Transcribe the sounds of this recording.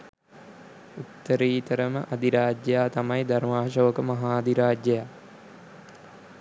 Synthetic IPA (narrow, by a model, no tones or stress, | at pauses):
ut̪ːəɾiːt̪əɾəməʔɐd̪iɾaːd͡ʒjɐjaːt̪amɐjd̪armaːʃoʋəkəmɐɦaːd̪iɾaːd͡ʒjɐjaː